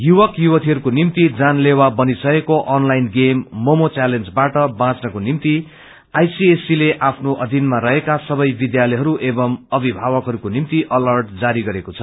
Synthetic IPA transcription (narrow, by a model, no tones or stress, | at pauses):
juwʌkjuwʌt̪ʰiɦʌɾukonimt̪id͡zanlewabʌnisʌekoʔʌnlajinɡemːomot͡salend͡zbaʈʌbãt͡snʌkonimt̪i | ajsiesileʔapʰnoʔʌd̪ʱinmarʌɦekasʌbʌjbid̪jalʌjɦʌɾuʔebʌmʌbʱibʱaβʌkɦʌɾukonimt̪iʔʌlʌrʈd͡zaɾiɡʌɾekot͡sʰʌ̥